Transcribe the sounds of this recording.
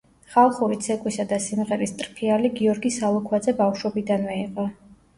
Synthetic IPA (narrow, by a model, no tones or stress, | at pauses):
χalˠχuɾit̪sʰɛkʼwisad̪asimʁɛɾist̪ʼɾpʰialiɡiɔɾɡisalˠɔkʰwad̪zɛbafʃwɔbid̪anmɛiqʼɔ